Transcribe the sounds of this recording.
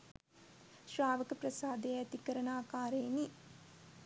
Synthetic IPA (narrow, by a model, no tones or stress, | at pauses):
ʃɾaːʋɐkɐpɾɐsaːd̪eːɐt̪ikɐɾɐnaːkaːɾeːni